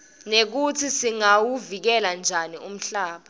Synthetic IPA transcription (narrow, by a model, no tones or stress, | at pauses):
nek̬utʰisiŋawuvik̬ɛland͡ʒʱanium̩ɬaːɓa